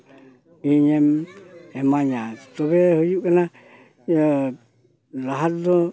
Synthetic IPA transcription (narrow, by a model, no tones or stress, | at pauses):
iɲememaɲat̪oβehojuʔkana | laɦad̪o